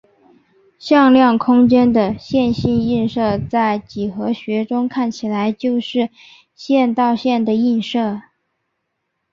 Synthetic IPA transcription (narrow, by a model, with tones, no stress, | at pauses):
ɕjɑ˥˧ŋljɑ˥˩ŋkʰʊ˥ŋt͡ɕjɛ˥nd̪ə˨ɕjɛ˥˧nɕi˥˧ni˥˧nʂɤ˥˧t͡sa˥˩ɪt͡ɕi˨˩xɤ˧˥ɕɥɛ˧˥ʈ͡ʂʊ˥ŋkʰa˥˩nt͡ɕʰi˨˩la˧˥ɪt͡ɕjo˥˧ʊʂɻ̩˥˧ | ɕjɛ˥˧nt̪ɑ˥˧ʊɕjɛ˥˩nd̪ə˩i˥˧nʂɤ˥˩